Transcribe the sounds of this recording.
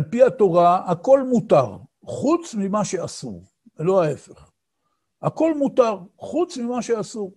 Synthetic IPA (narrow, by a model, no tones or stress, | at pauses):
alpiat̪o̞ʁaako̞lmut̪aʁ | χut͡smimaʃe̞asṵʁ | elo̞ae̞feχ | ako̞lmut̪aʁχut͡smimaʃe̞asuʁ